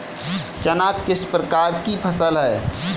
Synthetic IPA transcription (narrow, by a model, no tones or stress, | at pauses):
t͡ʃənaːk̪kɪspɾəkaːɾkipʰəsəlɦɛː